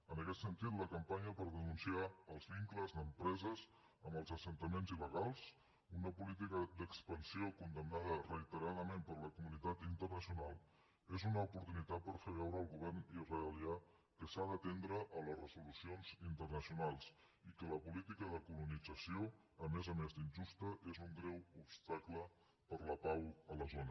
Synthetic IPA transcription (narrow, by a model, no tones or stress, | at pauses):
ənəkɛt̪sənt̪it̪ləkəmpaɲəpəɾðənunsiaəlˠzβiŋkləzðəmpɾɛzəz | əməlˠzəsənt̪əmenziləɣ̞alˠs | unəpulit̪̬ikəd̪əkspənsiokund̪əmnaðərəit̪əɾaðəmẽmpəɾləkumunit̪at̪int̪ərnəsjunalˠ | ezunəupuɾt̪unit̪at̪̚pəɾfeβ̞ɛwɾəːlˠɣuβ̞ɛrnizreəlia | kəsaðət̪end̪ɾəʔələzrəzulusionzint̪ərnəsiunalˠs | ikələpulit̪ikəðəkulunid͡zəsio | əmezəmezd̪inʲʒust̪əʔezuŋɡɾɛwupst̪aklə | pəɾləpawələzonə